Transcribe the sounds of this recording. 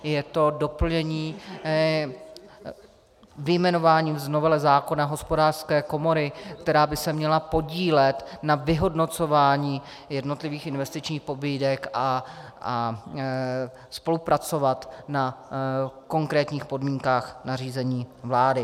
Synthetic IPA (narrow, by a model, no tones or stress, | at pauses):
jɛt̪o̞do̞pl̩ɲɛɲiː | vɪjmɛno̞vaːɲiːvzno̞vɛlɛzaːko̞naɦo̞spodaːr̥skɛːko̞mo̞ɾɪkt̪ɛɾaːbɪsɛmɲɛlapo̞ɟiːlɛt̪navɪɦo̞dno̞t͡so̞vaːɲiː | jɛdnot̪lɪviːxɪnvɛst̪ɪt͡ʃɲiːxpo̞biːdɛka | a | spo̞lupɾat͡so̞vat̪na | ko̞ŋkɾɛːt̪ɲiːxpo̞dmiːŋkaːxnar̝iːzɛɲiːvlaːdɪ